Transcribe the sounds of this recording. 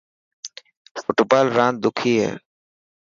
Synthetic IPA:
foʈopaːlɾãːn̚d̪ʊkʰiːɦɛ̰ː

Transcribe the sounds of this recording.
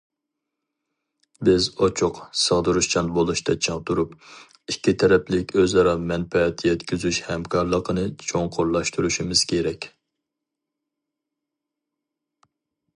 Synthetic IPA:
bɪzot͡ʃʰuqsəʁd̪uɾuʃt͡ʃʰɑnbolˠuʃt̪ʰɑt͡ʃʰɑŋt̪uɾup | ikʲːit̪ʰɛɾɛplɪkʲøzɑɾɑmɛnpɛɛt̪ʰjɛt̪kʲyzyʃhɛmkʰɑɾlˠəqʰənɨt͡ʃʰoŋqʰoɾlˠɑʃt̪ʰuɾuʃimɪz̥kʲʰeɾɛkʲ

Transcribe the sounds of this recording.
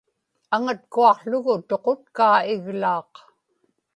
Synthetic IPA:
aŋat̪kuɑqɬʊɣʊt̪o̞qot̪̚kaːɪɣlɑːq

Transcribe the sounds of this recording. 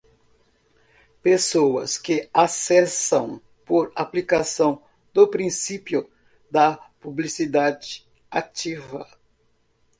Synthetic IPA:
pesowɐ̰skɪasɛsɐ̃w̃ | poɾaplikasɐ̃w̃ | d̪opɾĩsipjʊ | d̪ɐpublisid̪ad͡ʒɪ | at͡ʃivɐ̰

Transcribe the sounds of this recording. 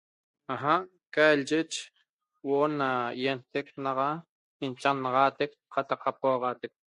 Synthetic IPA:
aɦaʔ | kalʒɪt͡ʃ | woʔonːajent̪ek̚nɑʁɑ | int͡ʃɑnːɑʁɑːt̪ek | qɑt̪ɑqɑp̚oʁɑːt̪ek̚

